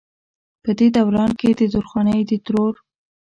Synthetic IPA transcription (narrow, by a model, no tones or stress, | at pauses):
pəd̪ed̪awɾɑnked̪əd̪oɾxwɑnəjd̪ət̪ɾoɾ